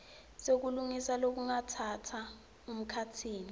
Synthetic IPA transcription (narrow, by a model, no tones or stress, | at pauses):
sek̬uluŋisalok̬uŋatʰatʰa | um̩kʰatʰiːni